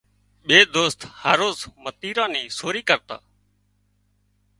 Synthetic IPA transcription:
ɓeːd̪oːst̪haːɾoːzmət̪iːɾãːnĩːsoːɾiːkəɾt̪a̰ː

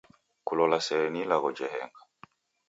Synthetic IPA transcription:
kulɔlasɛɾɛnilaɣɔd͡ʒɛɦɛ̰ŋɡa

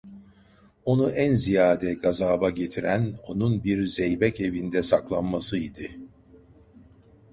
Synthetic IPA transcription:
o̞nuʔænzijaːd̪ɛɡazaːbaɟe̞t̪ʰiɾæno̞nunbiɾzɛjbɛce̞vind̪ɛsaklˠanmasɯid̪ɪ

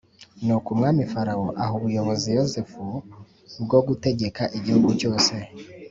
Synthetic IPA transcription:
nukumŋaːmifaɾawoʔaɦuβujo̞βo̞zijo̞zefu | bɡo̞ɡute̞ɡe̞kaʔiɟihuɡuco̞ːse̞

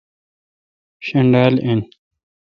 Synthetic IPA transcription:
ɕɐɳɖaːlen

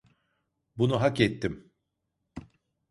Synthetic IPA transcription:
bunuɦakɛt̪ːim

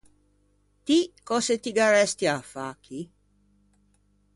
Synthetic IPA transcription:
t̪ikɔset̪iɡaɾɛst̪iafaːkʰi

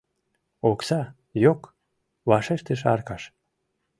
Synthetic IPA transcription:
oksɑ | jok | βɑʃeʃt̪əʃ̬ɑ̰rkɑʃ

